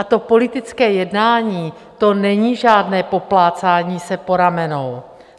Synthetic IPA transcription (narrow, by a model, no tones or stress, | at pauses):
at̪o̞po̞lɪt̪ɪt͡skɛːjɛdnaːɲiː | t̪o̞nɛɲiːʒaːdnɛːpo̞plaːt͡saːɲiːsɛpo̞ɾamɛno̞w